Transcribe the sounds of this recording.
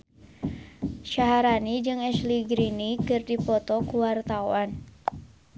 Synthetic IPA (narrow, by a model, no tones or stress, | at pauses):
ʃaɦaɾanid͡ʒɨŋɛsliɡɾinikɨrdipɔt̪ɔkuwart̪auan